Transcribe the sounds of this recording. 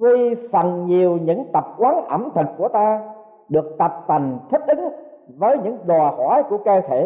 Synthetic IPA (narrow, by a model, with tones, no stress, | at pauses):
kwi˧fa˧˩nɲi˨˩əwɲɨ̰˧˥ŋt̪ə˨˩p̚kwaː˨˦nʔə˧˩mt̪ʰɨ˨˩k̚kːu˧˩ət̪aː˧ | ɗɨ˨˩ək̚t̪ə˨˩p̚t̪a˨˩jŋ̟t̪ʰi˦˥k̟̚ʔɨ˨˦ŋ | vəː˨˦jɲɨ̰˧˥ŋɗwaː˨˩hwaː˧˩˦jku˧˩əkəː˧t̪ʰe˧˩˨